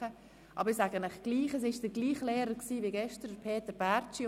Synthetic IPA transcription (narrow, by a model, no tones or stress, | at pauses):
ə | ʔɑ̰bəɪsaɡənɪχɡ̥liːχəs̬ɪʃd̥əɡliːχlɛːɾəksiːʋiɡɛʃtəɾdəpʰeːtəɾb̥æɾt͡ʃi